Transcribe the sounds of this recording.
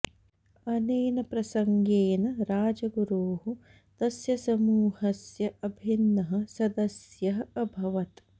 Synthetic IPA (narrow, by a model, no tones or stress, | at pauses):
ɐneːnɐpɾɐsɐŋɡeːnɐɾaːd͡ʒɐɡuɾuːɦu | t̪ɐsjɐsɐmuːhɐsjɐʔɐbʱinːɐɦɐ̆sɐd̪ɐsjɐɦɐɐbʱɐʋɐt̪